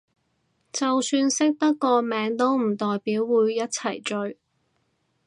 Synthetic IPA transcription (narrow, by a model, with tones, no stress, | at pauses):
t͡sɐ˨wsyː˧nsɪ˥k̚t̪ɐ˥t̚kːɔː˧mɛː˨˥ŋt̪o˥wm̩˨˩t̪ɔː˨jpiː˨˥wːuː˨˧jːɐ˥t̚t͡sʰɐ˨˩jt͡ʃɵ˧ɥ